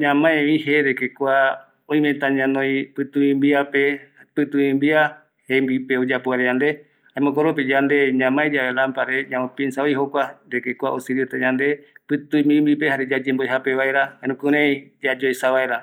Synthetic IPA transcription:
ɲãmãẽβĩɦeɾekekʷa | oĩmẽt̪aɲãnõj̃pɨt̪uĩmbiapepɨt̪uĩmbia | hembipeod͡ʒapoaɾejand̪e̞ | haẽmõkoɾop̬id͡ʒand̪eɲãmãed͡ʒaβelampaɾeɲãõpinsaoiɦokʷaɾekekʷaʔosɨɾiot̪aɲãnd̪e̞pɨt̪ujmĩmbip̬ehaɾed͡ʒad͡ʒemboeɦape̞βaeɾahanũkuɾẽj̃d͡ʒad͡ʒojsaβaeɾa

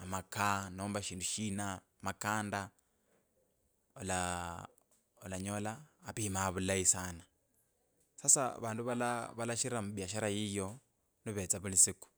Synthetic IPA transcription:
amakʰanɔːmbaʃiːnduʃiːna | makaːnda | ɔla | ɔlaɲɔlaːpimaːβulaisaːna | sasa̰βaːnduβalaβalaʃiɾamβjaʃaɾajijɔ | niβɛt͡saβulisiku̥

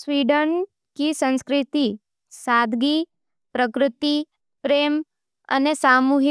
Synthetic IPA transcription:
sʋiːɖən | kisə̃nskɾɪt̪i | saːd̪ʱɡi | pɾəkɾɪt̪i | pɾeːm | ɐ̰nesaːmuːɦi

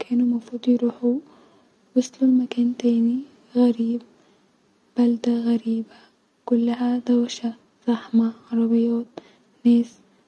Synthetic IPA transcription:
kʰeːnumafuːd̪ˤjɾuːħu | wasˤlulmakaːnt̪eːni | ɣaɾiːb̚ | b̥ald̪aɣaɾiːba | kulːaɦad̪awʃa | z̥ˤɑħmaɣɑɾˤɑbɪjɑːt̪̚ | neːs

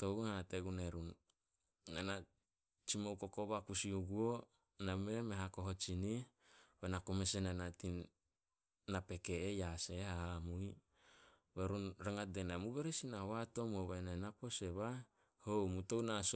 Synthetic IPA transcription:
touhateɡuneɾunː | ana | t͡ʃimowkokoβakusiuɡuo | namemeɦako̞ɦot͡ʃini | benakomesenanatinː | ape̞keːjasehahamuj | βeɾunɾaŋadenamuβeɾesinahoato̞moβananapo̞seβa | homutownas

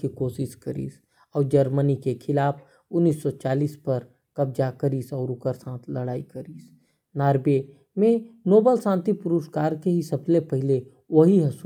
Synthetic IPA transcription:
ikoːʃɪʃkəɾḭːs | ɔːɾd͡ʒəɾmənikekʰɪlaːpʰ | ʊnːiːsːɔt͡ʃaːliːspɐɾ | kɐbd͡ʒakəɾiːsɔːɾʊkəɾsãːt̪ʰləɽaːikəɾiːs | naːɾbe | mẽnoːbəlsãːnt̪ipʊɾʊʃkaːɾkeɦisɐblepəɦɪle | wɐɦiɦɐs

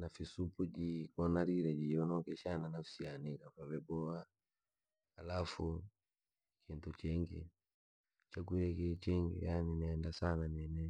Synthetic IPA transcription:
nafisupud͡ʒikɔnaɾiɾɛd͡ʒiɔnɔkɛʃananafsianikafavɛbɔa | halafu | kʰintut͡ʃɛŋɡḭ | t͡ʃakuiɾɛkɛt͡ʃɛŋɡḭjaninɛɛndasananɛnɛ

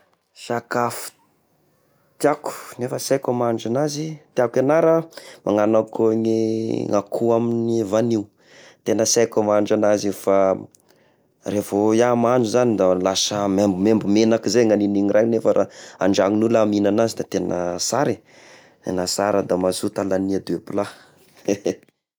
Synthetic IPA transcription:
sakafu̥ | t̪iaku̥nefəsajkamaɳd͡ʒanazit̪akanaɾəmaŋanakʰoɲeŋakʰuaminievaniu | t̪enəsakamaɳɖ͡ʐanazifa | revojamanuzanid̪alasəmembumembmenakizeŋaniniŋiɾʔajnefaɾʔaa̰ɳɖ͡ʐaŋinulaminanazid̪at̪enə̰saɾi | t̪ḛnasaɾad̪amasut̪alaniad̪uepila

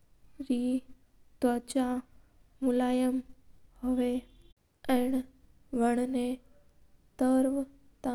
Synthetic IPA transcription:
ɾi | t̪ət͡ɕa | mulaːjəmhoʋe | ɛ̃ɳ | ʋəɳ̃ne | t̪əɾʋ | t̪a

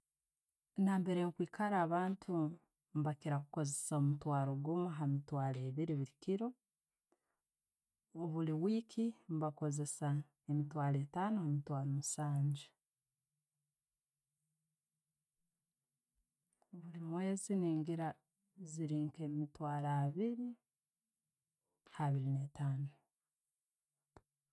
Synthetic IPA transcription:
naːmbe̞ɾejokwiːkʰaɾaːβaːntʰu | mβakiɾaku̥ko̞zesaomutwaːɾoɡumuɦamitwaːleːβiɾiβiɾikiɾo | oβuliwiːkʰimβako̞ze̞sa | emitwaːɾeːtaːnohamitwaːɾomusaːɲd͡ʒe | oβulimwe̞ːziniːŋɡiɾa | ziɾiːŋkemitwaːɾaːβiɾi | haβiɾinetaːnu

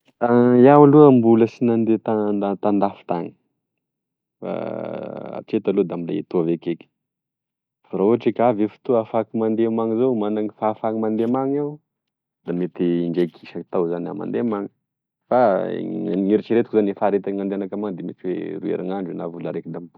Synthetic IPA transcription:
ajawaluəmbuləsinand̪et̪aat̪and̪afi̥t̪aŋi̥ | fa̰ | a̰ʈ͡ʂet̪alod̪amila̰et̪uavekekʲə̥ | faɾauaʈ͡ʂekʲavefu̥t̪uafakimand̪emaŋizowmanaŋifafaŋimand̪emaŋaw | d̪̥amet̪iːɳɖ͡ʐejkʰiʃakit̪awzana̰ma̰nd̪emaŋə̥ | faa̰ŋiɾit͡ʃiɾet̪u̥kizanifaɾet̪aŋand̪eanakamaŋd̪emeʈ͡ʂiwḛruḛɾʔaŋaɳɖ͡ʐinavulaɾekid̪amibu

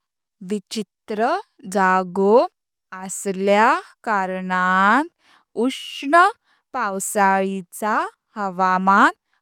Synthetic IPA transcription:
ʋit͡ɕit̪ɾə | d͡zaɡo | əsljakaɾɳat̪ | uʂɳə | pawsaɭit͡sa | həʋama

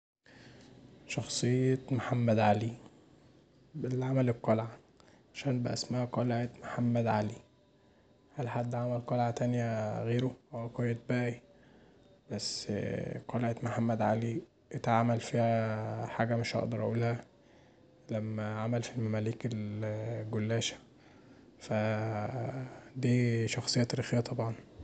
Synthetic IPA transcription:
ʃɑxsˤejːɑmoħamːæd̪ʕali | belʕamæleb̚qɑlʕa | ʕaʃæːnbæʔæ̰smæhæqɑleʕet̪moħamːæd̪ʕali | hælħad̪ːʕamælqɑlʕat̪ænjæɣeːɾoʔæwæqɑjːet̪̚bæʔi | bæsːqɑleʕet̪moħamːæd̪ʕali | ʔet̪ʕaːmælfiːhæħaːɡæmeʃʔɑ̰ʔd̪ɑɾˤʔuːlhæ | læmːæʕamælfilmæmæliːkelɡolːæːʃæ̥ | fæ | d̪iːʃɑxsˤejːɑt̪æɾixejːæt̪ˤɑbʕɑn

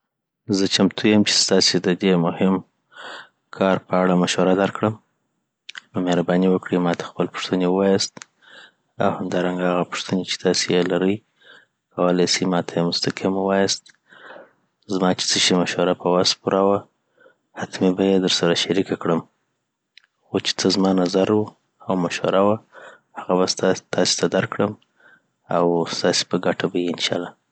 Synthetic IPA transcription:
zət͡ʃamt̪ʰujəmt͡ʃe̥st̪ɑsed̪əd̪emʊhɪm | kʰɑɾpəaɽamaʃwaɾad̪aɾkɽəm | nmeɾabɑniwəkɽimɑt̪ḁxpəlpʊ̥ʂt̪ənewəwɑjast̪ | a̰whamd̪ɑɾaŋɡaaɣapʊ̥ʂt̪ənet͡ʃe̥t̪ɑsejelaɾəj | kawalajsimɑt̪ʰajemʊst̪aqimwɑjast̪ | zmɑt͡ʃe̥t͡səʃemaʃwaɾapəwaspuɾawa | hat̪mibajed̪əɾsaɾaʃaɾikakɽəm | xot͡ʃe̥t͡səzmɑnazaɾwu | awmaʃwa̰ɾawa | haɣabast̪t̪ɑse̥t̪ʰad̪aɾkɽəm | awst̪ɑse̥pəɡaʈabajiɪnʃɑ̰lɑ

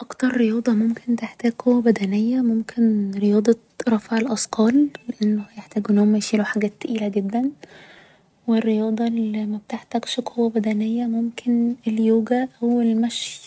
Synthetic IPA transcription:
ʔɑkt̪ɑɾˤːejɑːd̪ˤɑmomkent̪eħt̪æːɡ̚kowːæbæd̪ænejːæmomkʰenɾejɑːd̪ˤɑ | ɾˤɑfʕelʔɑsqɑːlleʔenːhæjeħt̪æːɡʔenːhomːæjʃiːloħaɡæːt̪ːʔiːlæɡed̪ːæn | werːejɑːd̪ˤɑlimæb̚t̪eħt̪æɡʃkʰowːæbæd̪ænejːæmomkʰenʔeljoːɡæʔæwelmæʃ

